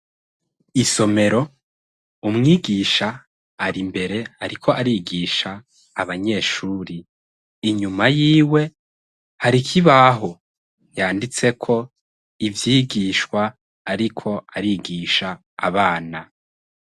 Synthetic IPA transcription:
iso̞me̞ɾo̞ | umŋiːɡiːʃaː | ɾimbe̞ɾe̞aɾikʰo̞ʔaɾiːɡiːʃaː | βaɲe̞ːʃuːɾiː | ɲumajiːwe̞ | haɾikʰiβaɦo̞ | jaːndit͡se̞kʰo̞ | ivjiːɡiːʃkwaː | ɾikʰo̞aɾiːɡiːʃa̰ː | βaːna

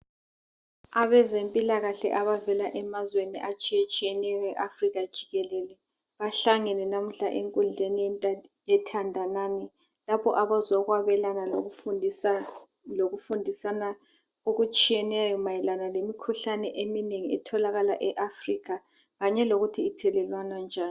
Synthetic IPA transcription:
aβɛzempʼilaɣaɬɛ̰ʔaβavɛlaʔɛmazwenḭʔat͡ʃʼiɛt͡ʃʼijɛnɛjɛʔafriɣad̥ʒ̥ʱiɣɛlɛlɛ | βaɬaŋɛnɛnam̩ɬa̰ʔeŋkʼund͡ɮʱenijɛtʰandʱanaːni | lapʰɔ̰ʔaβazɔɣwaβɛlanalo | loɣufundʱisana | oɣut͡ʃʼijɛnɛjɔmajɛlanalemikʰuɬanɛʔemineŋiɛ̰tʰɔlaɣala̰ʔɛʔafriɣa | ɣaɲɛloɣutʰiːtʰɛlɛlwanand͡ʒʱaːn

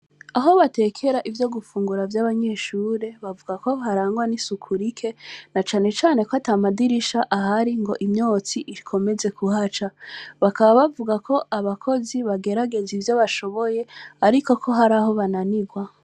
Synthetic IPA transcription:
aɦo̞βate̞kʰe̞ɾaʔivjo̞ɡufuːŋɡuɾavjaːβaɲe̞ːʃuːɾe̞βavuɡako̞ɦaɾaːŋɡwanisukʰuɾikʰe̞nat͡ʃaːne̞t͡ʃaːne̞koatamadiɾiʃaʔaɦaɾiŋɡo̞ʔimɲo̞ːt͡siʔikʰo̞me̞ze̞kuɦat͡ʃaβakaβaβavuɡakʰo̞ʔaβakʰo̞ziβaɡe̞ɾaɡe̞zivjo̞βaʃo̞βo̞je̞aɾiko̞kʰo̞ɦaɾaːɦo̞βananiɡwa

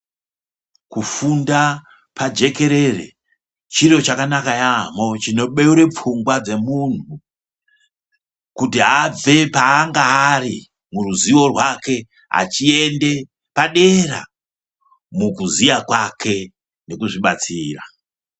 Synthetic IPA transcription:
kufunda | pad͡ʒe̞ke̞ɾe̞rḛ | t͡ʃiro̞t͡ʃakanakajamo̞t͡ʃino̞ɓe̞uɾe̞p͡fuŋɡwad͡ze̞mun̤u | kutiɦab͡ve̞paːŋɡaːɾi | muruziwo̞rwake̞ | ɦa̰t͡ʃiende̞ | paɗe̞ɾa̰ | mukuzijakwakʰe̞ | ne̞kuʐiɓat͡siːra̰

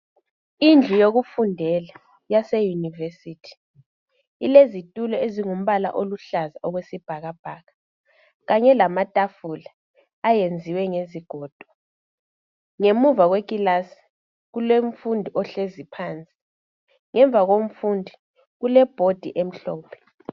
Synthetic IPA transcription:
ind͡ɮʱujoɣufundʱɛla | jasejunivesiːtʰi̥ | ilezitʼulɔeziŋum̩βala̰ʔoluɬazaʔɔɣwesib̥ʱaɣab̥ʱaːɣa | ɣaɲɛlamatʼafulaː | jend͡zʱiwɛŋeziɡ̥ʱɔːd̥ʱɔ | ŋemuvaɣwekʼilasi̥ | ɣuleɱ̩fundʱiʔɔɬezipʰaːnt͡sʼi̥ | ŋʔɛɱb̪vʱaɣom̩fundʱi | ɣulɛb̥ʱod̥ʱḭʔem̩ɬɔːpʰɛ̥

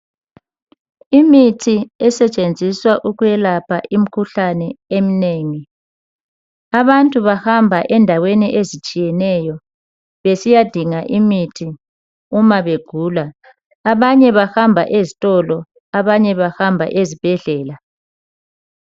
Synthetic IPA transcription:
imitʰiɛsɛt͡ʃʼend͡zʱiswaʔuɣujɛlapʰaʔim̩kʰuɬanɛem̩neːŋi | aβantʼuβahambʱaʔɛndʱaweniʔezit͡ʃʼijɛnɛjɔ | βesijad̥ʱiŋaʔimitʰi | umaβeɡ̥ʱuːlaː | βaɲɛβahambʱa̰ʔezitʼɔlɔ | aβaɲɛβahambʱa̰ʔezib̥ʱɛɮɛːla

